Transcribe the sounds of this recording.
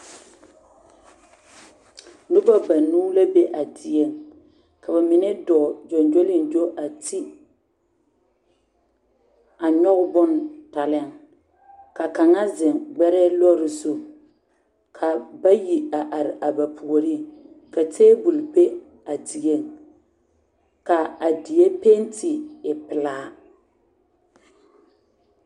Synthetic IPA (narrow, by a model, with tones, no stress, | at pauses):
nʊ˦ba˦ba˨nuː˦la˦be˦ʔa˨dɪ˨e˦˨ŋ | ka˨ba˨mɪ˨nɛ˦dɔ˨d͡ʒɔ˨nd͡ʒo˦lɪ˦˨n˨d͡ʒo˦ʔa˨tʰi˦ | a˨ɲɔ˦ɣʊ˦bʊ˦nta˨lɪ˦˨ŋ | ka˨ka˨ŋa˦zɪ˨ŋɡ͡bɛ˦ɾɛ˦lɔ˦ɾɪ˨zʊ˦ | kʰa˨ba˦ji˨a˨ʔa˨ɾɪ˨ʔa˨ba˨pʰu˨o˨ɾi˦˨ | ka˨teː˦bu˨lbe˦ | a˨di˨e˦˨ŋ | ka˨a˨di˨je˦pe˦n˦tʰi˨ɪ˨pɪ˨laː˦